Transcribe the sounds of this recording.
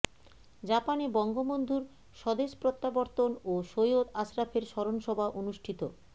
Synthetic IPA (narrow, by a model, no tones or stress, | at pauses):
d͡ʑapanebɔŋɡomond̪ʱuɾ | ʃɔd̪eʃpɾot̪ːaboɾt̪onoʃojod̪aʃɾafʰeɾʃɔɾonʃɔbʱaʔonuʃʈʰit̪o